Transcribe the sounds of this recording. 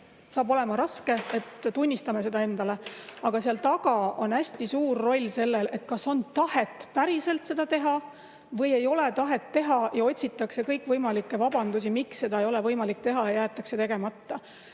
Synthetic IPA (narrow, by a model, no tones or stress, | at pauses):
sɑːbo̞le̞mɑɾɑske̞et̪t̪unʲːist̪ɑme̞se̞d̪ɑe̞nd̪̥ɑle̞ɑɡ̥ɑseɑlt̪ɑɡɑonæsʲt̪isuːrːo̞lʲːse̞lːe̞le̞t̪̚kɑso̞nt̪ɑhe̞t̪ːˑpæɾise̞lt̪se̞d̪̥ɑt̪eɦɑ | vɤ̞je̞jo̞le̞t̪ɑɦe̞t̪ːe̞ɦɑjɑo̞tʲsʲit̪ːˑɑkse̞kɤjkːvɤjmɑlikːe̞vɑb̥ɑnd̪us̬imiksːe̞d̪ɑejo̞levɤjmɑlik̚t̪e̞ɦɑjɑjæːt̪ːˑɑkse̞t̪e̞ɡ̥e̞mɑt̪ːɑ